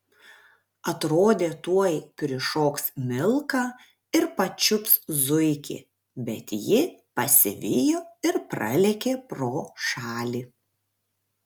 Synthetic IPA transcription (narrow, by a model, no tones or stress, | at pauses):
ɐt̪ɾoːd̪ʲeːt̪uɔjkɾʲɪʃoːksmʲɪlˠkɑː | ɪɾpɐt͡ʃʲʊpszʊɪkʲḛ | bʲɛt̪jɪpɐsʲɪ̰ʋʲɪjoːɪɾpɾɐ̰lʲɛkʲeːpɾoːʃɑːlʲiː